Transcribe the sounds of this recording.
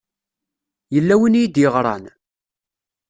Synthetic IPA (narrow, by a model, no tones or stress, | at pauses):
jəlːæwənjid̪jəʁɾˤɑ̰n